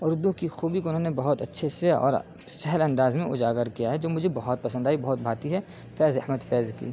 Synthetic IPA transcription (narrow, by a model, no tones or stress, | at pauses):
ʊɾʊd̪ũkixuːbikoʊnɦõːnebɐɦʊt̪ɐtːʃʰeseɔ̰ːɾ | sɛɦɛlɐ̃nd̪aːzmẽʔʊd͡ʒaːɡəɾkijaɦɛd͡ʒoːmʊd͡ʒʱebɐɦʊt̪̚pɐsə̃nd̪aːibɐɦɔt̪̚bʱaːt̪iɦɛ | fɛːzɐhməd̪fɛːzkḭː